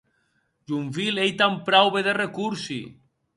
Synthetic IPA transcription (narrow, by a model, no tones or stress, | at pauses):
ʒuɱfilejt̪ampɾawβeðerekuɾsḭ